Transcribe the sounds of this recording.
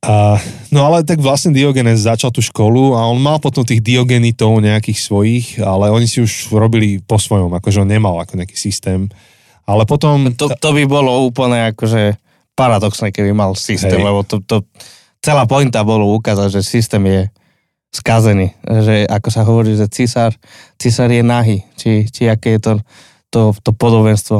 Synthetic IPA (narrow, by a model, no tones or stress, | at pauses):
a | nɔalɛt̪aɡʋlast̪niːd̪iɔɡɛnɛzːat͡ʃalˠt̪uːʃkɔluaɔnmalpɔt̪ɔmt̪iːɣd̪iɔɡɛnit̪ɔʊɲɛakiːxsʋɔjixalɛɔɲisiuʒɾɔbilipɔsʋɔjɔmakɔʒɛɔnɲɛmalakɔɲɛaki̥ːsist̪ɛːm | alɛpɔt̪ɔmt̪ɔt̪ɔbibɔlɔuːpl̩ɲɛakɔʒɛ | paɾad̪ɔksnɛkɛbimalsist̪ɛːmlɛbɔt̪ɔt̪ɔ | t͡sɛlaːpɔint̪abɔlɔukazaɟʒɛsist̪ɛːmjɛ | skazɛniːʒɛʔakɔsaɦɔʋɔɾiːʒɛt͡sisaɾ | t͡sisaɾjɛnaɦiːt͡ʃit͡ʃiakɛːjɛt̪ɔ | t̪ɔt̪ɔpɔd̪ɔbɛnst̪ʋɔ